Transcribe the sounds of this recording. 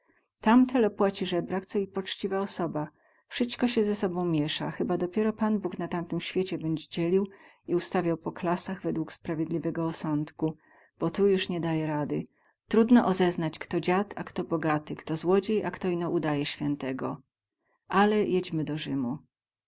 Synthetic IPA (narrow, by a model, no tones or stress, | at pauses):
t̪amt̪ʰɛlɔpwat͡ɕiʐɛbɾakt̪sɔipɔt͡ʂt͡ɕivaɔsɔba | fʂɨst̪kɔɕɛzɛsɔbɔ̃w̃mʲjɛʂaxɘbad̪ɔpʲjɛɾɔpanbuknat̪ant̪ɘmɕfʲjet͡ɕɛbɛɲd͡ʑd͡ʑɛlʲiw | iust̪avʲjawpɔklasaɣvɛd̪wukspɾavʲjed̪lʲivɛɡɔːsɔnt̪ku | b̥ɔt̪ujuʂɲɛd̪ajɛɾad̪ɘ | t̪ɾud̪nɔʔɔzɛznat͡ɕkt̪ɔd͡ʑat̪a̰kt̪ɔbɔɡat̪ɘkt̪ɔzwɔd͡ʑejʔakt̪ɔinɔʔud̪ajɛɕfʲjɛnt̪ɛɡɔ̰ | ʔalɛjɛd͡ʑmɘd̪ɔʐɘmu